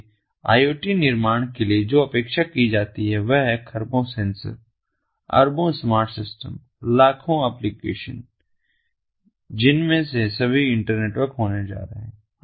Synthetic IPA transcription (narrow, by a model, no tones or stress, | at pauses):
a̰ːjoːʈinɪɾmaːɽ̃kelied͡ʒoːɐpeːkʃakid͡ʒaːt̪iɦɛʋɛɦɛkʰɐɾbõsɛ̃ːnsə̰ɾ | ɐ̰ɾbõsmaːɾʈsɪsʈə̰m | laːkʰõɛːplikeːʃə̰n | d͡ʒɪnmẽsesɐbʱiɪ̃ɳʈəɾneːʈwəɾkɦoːned͡ʒa̰ːɾəɦɛ̃ː